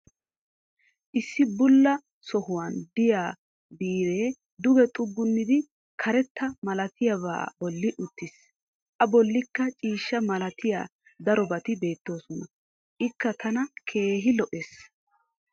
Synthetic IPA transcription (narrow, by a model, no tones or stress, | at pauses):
ʔɪsːɪbʊlːɐ | sɔhʊwɐnd̪ɪjaː | biːɾe̞ː | d̪ʊɡɛt̪ʼʊɡːʊnːɪd̪ɪ | kʰɐɾɛt̪ːɐmɐlɐt̪ʰɪjɐβa̰ːbɔlːɪʔʊt̪ːɪs | ʔɐbɔlːɪkːɐt͡ʃʼiːʃːɐmɐlɐt̪ɪja̰ː | d̪ɐɾɔbɐt̪ɪbe̞ːt̪ːo̞ːsɔnɐ | ʔɪkːɐt̪ɐnɐkʰe̞ːɦɪlɔʔɛes